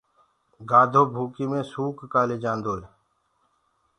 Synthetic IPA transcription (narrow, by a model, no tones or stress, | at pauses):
ɡaːd̪ʱoːbʱuːkiːmẽːsuːkːaːleːd͡ʒãːnd̪oːl